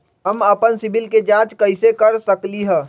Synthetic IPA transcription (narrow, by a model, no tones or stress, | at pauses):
ɦɐməpənsɪbɪlked͡ʒãːt͡ʃkɐɪsekɐɾsəkliɦɛ̃ː